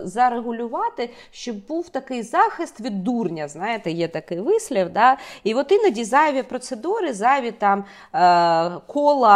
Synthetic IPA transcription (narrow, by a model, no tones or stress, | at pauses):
zɐɾeɦʊlʲʊʋɑt̪ɪ | ʃt͡ʃɔbbuwt̪ɐkɪjzɑxɪst̪ʋʲid̪ːurnʲɐznɑjet̪ɛjɛt̪ɐkɪjʋɪsʲlʲɐwd̪ɑiʋɔt̪ɪnɐdʲizɑʋʲipɾɔt̪sed̪uɾɪzɑjʋʲit̪ɑm | kʰɔlˠɐ